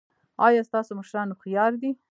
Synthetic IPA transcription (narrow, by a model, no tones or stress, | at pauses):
ɑjɑst̪ɑsoməʃɾɑnoxijɑɾd̪i